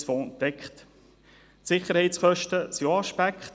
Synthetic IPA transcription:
sfɔːnt̪ɛkχt̪ | sɪχəɾhɛɪt͡sχœʃtəsjoɑʃpækχt

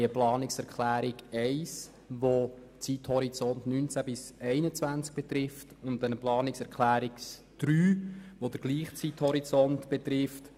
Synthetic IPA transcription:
əplɑːnɪksɛɾkχlæːɾɪɡɛɪs | ʋo | t͡sithɔɾit͡sɔntnynt͡sæbɪsɛɪnət͡sʋænt͡sk̚b̥ɛt̪ɾɪftʊnt̪ːɛnəplɑːnɪksɛɾkʰχlæːɾɪk | d̥ɾyːʋod̥əɾɡliːχt͡sithɔɾit͡sɔntb̥ɛt̪ɾɪft

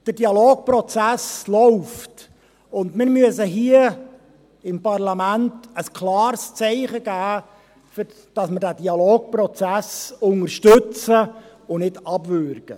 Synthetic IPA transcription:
d̥ədiɑloːk̚pɾɔt͡sæslɔʊft | ʊndmɪɾmyəsəɦiə | ɪmpɑrlɑmæntəskʰlɑːɾst͡sɛɪχəɡ̥æː | f | d̥ɑsməɾdæːd̥iɑloːk̚pɾɔt͡sæsʊŋərʃtɵt͡sə | ʊnɪdɑbʋʏɾɡ̥ə

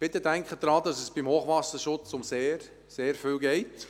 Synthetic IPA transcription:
b̥ɪt̪əd̥æŋkχəd̥̪ɾɑːd̪ɑsɛsb̥imhoːχʋɑsəʃʊt͡sʊmseːɾ | seːɾfyːlɡɛɪt

